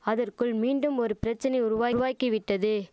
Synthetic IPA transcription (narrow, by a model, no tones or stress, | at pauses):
ɐðɐrkɯɭmiːɳɖɯmɔɾɯpɪɾɐt͡ʃːɐnɐɪʊɾʊʋaːʋaːkːiʋɪʈːɐðɯ